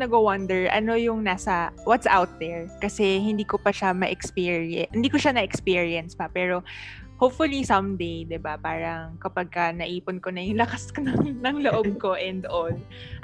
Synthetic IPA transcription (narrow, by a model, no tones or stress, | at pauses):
nɐɡowɐnd̪ɛɹʔɐ̰no̞jʊŋnaːsɐwɐt̪sʔawt̪̚d̪ɛɹkɐsɛɦɪnd̪iːkopɐʃamɐʔɛkspiːɹhɪnd̪iːkoʃanɐʔɛkspiːɹiɛnspɐpɛːɾo̞ | howpfʊlisɐmd̪ejd̪ɪbapaːɾɐŋkɐpɐɡ̚kɐnɐʔiːponkonɐjʊŋlɐkaskonɐŋnɐŋloʔob̚ko̞ʔɛnd̪ol